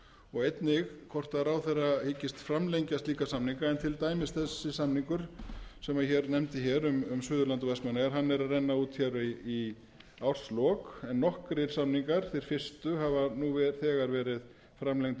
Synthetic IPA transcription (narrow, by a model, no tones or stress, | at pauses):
ɔɣejt̪nɪɣkʰɔr̥t̪aɾawθɛrːahicɪst̪fɾamlejɲcast̪liːkasamniŋkaɾɛnt̪ʰɪlt̪aːjmɪst̪θɛsːɪsamniŋkʏɾ̥sɛmaçɛːɾnɛmt̪ɪçɛːɾʏmʏmsʏːðʏlant̪ɔvɛsmanaɣaɾɦanːɛɾaðrɛjnːauːt̪çɛɾi | awr̥slɔːkɛnːɔhkɾɪɾ̥samniŋkaɾ̥θejɾ̥fɪr̥st̪ʏɦavanuvɛ̥θɛːɣaɾvɛːɾɪð | fɾamlejŋt̪